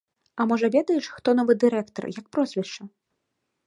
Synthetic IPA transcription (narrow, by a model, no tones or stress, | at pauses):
ɐmɔʐɐvʲɛd̪ɐjɛʂxt̪ɔnɔvɨd̪ɨɾɛkt̪ɔ̰rjɐk̚pɾɔzʲvʲɛʂt͡ʂɐ